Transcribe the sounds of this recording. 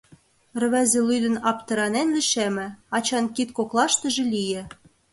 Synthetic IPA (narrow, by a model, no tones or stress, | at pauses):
rβæzĕlyd̪ɘ̆nɑpt̪ɤ̆ɾɑnenliʃemɘ̆ɑt͡ɕɑnkit̪koklˠɑʃt̪ɤ̆ʒĕlʲijĕ